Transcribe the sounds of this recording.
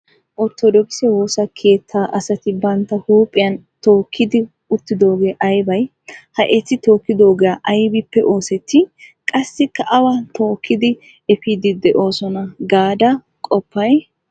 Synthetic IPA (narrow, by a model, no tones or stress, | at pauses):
ʔɔt̪ːɔd̪ɔɡɪsɛwoːsɐkʰe̞ːt̪ʰːaːʔɐsɐt̪ɪbɐnt̪ːɐhuːpʼːɪjɐn | t̪o̞ːkʰːɪd̪ɪ | ʊt̪ːɪd̪o̞ːɡeːʔɐjbɐj | hɐʔɛt̪ːɪt̪o̞ːkːɪd̪o̞ːɡɛjɐʔɐjbɪpːɛʔo̞ːsɛt̪ʰːɪkʼɐsːɪkːɐʔɐwɐt̪ʰo̞ːkʰːɪd̪ɪ | ɛfɪd̪ɪd̪ɛʔo̞ːsɔnɐɡaːd̪ɐ | kʼɔpːɐj